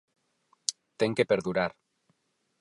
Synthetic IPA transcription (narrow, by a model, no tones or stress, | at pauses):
t̪eŋkepeɾðuɾaɾ